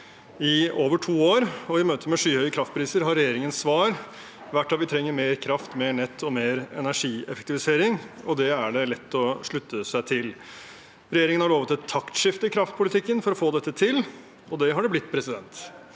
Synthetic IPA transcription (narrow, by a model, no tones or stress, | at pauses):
ɪoːʋəʈʰuːoːɾɔɪmøːt̪ʰəmɛʂyːhœʏəkʰɾɑft̪pʰɾiːsəɾɦɑɾɛjeːɾɪŋənsʋɑːɾ | ʋæʈːɑʋɪt̪ʰɾɛŋːəɾmeːɾkʰɾɑft̪meːɳɛt̪ʰːɔmeːɾɛ̰næʂiːɛ̰fəkt̪ɪʋɪseːɾɪŋ | ɔd̪ɛæɖɛlɛt̪ːɔʂɭʉt̪ːəsæɪt̪ʰɪl | ɾɛjeːɾɪŋənhɑɭoːʋət̪ʰːɪlt̪ʰːɑkt̪ʂɪft̪əɪkʰɾɑft̪̚pʰʊlɪt̪ʰɪkːənfɔɾɔfoːd̪ɛt̪ːət̪ʰɪl | ɔd̪ɛɦɑɖɛblɪt̪ːpʰɾɛsɪd̪ɛnt̪